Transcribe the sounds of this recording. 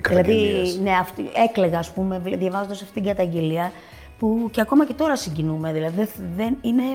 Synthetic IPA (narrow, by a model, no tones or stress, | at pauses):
ðilɐðine̞ɐft̪ie̞kle̞ɣɐːspume̞vðjɐvɐzond̪ɐsɐft̪it̪ɡɐt̪ɐɲɟe̞liɐ | puceɐko̞mɐce̞t̪o̞ɾɐsiɲɟinume̞ðilɐðiðeðenine̞